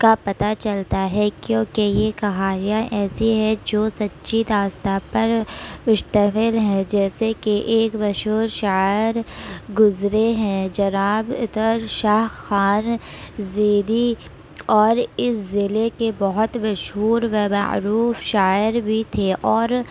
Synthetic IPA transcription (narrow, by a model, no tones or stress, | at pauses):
kapɐt̪at͡ʃɐlt̪aɦɛkjõːkejekɐɦaːɾijãʔɛːsiɦɛd͡ʒoːsɐtːʃiɾaːst̪apɐɾmʊʃt̪əmɪlɦɛ̃d͡ʒɛːsekeʔeːkmɐʃɦuːɾʃaːɪɾɡʊzɾeɦɛ̃d͡ʒɐnaːbt̪əɾʃaːɦxaːnzeːd̪i | ɔːɾɪszɪlekebɔɦʊt̪mɐʃɦuːɾʋɛmɐ̰ʕɾuːfʃaːɪɾbʱit̪ʰeʔɔːɾ